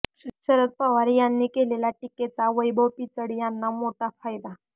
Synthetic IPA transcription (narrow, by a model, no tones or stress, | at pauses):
ɕət̪səɾək̪̚pəʋaɾijanːiːkelelaʈiket͡saʋəjbʱəwpit͡səɽijanːamoʈafajd̪a